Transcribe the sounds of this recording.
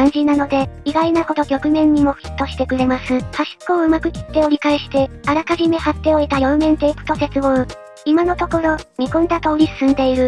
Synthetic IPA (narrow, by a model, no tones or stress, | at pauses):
kãɲ̟d͡ʑinano̞d̪e̞iɡainaho̞d̪o̞kʲo̞kɯ̟mẽ̞ɲ̟ːimo̞ɸʲi̥t̪ːo̞ɕi̥t̪e̞kɯ̟ɾe̞masɨhaɕi̥kːoɯ̟makɯ̟kʲi̥t̪ːe̞oɾʲikaeɕi̥t̪e̞aɾakaʑime̞hat̪ːe̞o̞it̪ajo̞ːmẽ̞nt̪e̞ːkɯ̟̥t̪o̞se̞t͡sɨmo | imano̞t̪o̞ko̞ɾo̞mʲikõ̟nd̪at̪o̞ːɾʲisɨ̥sɨ̃nd̪e̞iɾɯ̟